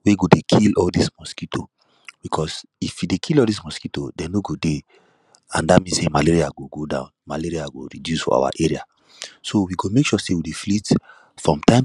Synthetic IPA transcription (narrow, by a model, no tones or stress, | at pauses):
weɡodekʰilɔldismɔskitʰo̰ | b̥ikʰɔs | ifjudekʰilɔldis̬mɔskito̰dɛ̃noɡode | ã̰ndamĩnsemaleɹiaɡoɡodã̰ʊ̃nma̰leɹiaɡo̰ɹḭdjusfɔ̰a̰wa̰ʔeɹia̰ | sowiɡomekʃuɔsewideflit | fɹɔ̃mtãɪ̃m